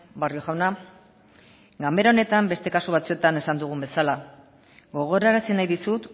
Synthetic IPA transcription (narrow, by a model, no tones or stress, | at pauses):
bario̞ʝawna | ɡame̞ɾao̞ne̞t̪ambe̞st̪e̞kasuβ̞at͡sue̞t̪ane̞sand̪uɣ̞umbe̞sala | ɡo̞ɣ̞o̞ɾaɾasinajðisut̪